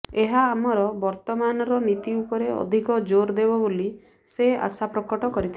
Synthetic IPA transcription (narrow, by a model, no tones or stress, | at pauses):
eɦaːmɔɾɔbɔɾt̪ɔmanɔɾɔnit̪iupɔɾeɔ̰d̪ʱikɔd͡ʒoɾd̪ebɔboli | sea̰sapɾɔkɔʈɔkɔɾit̪ʰil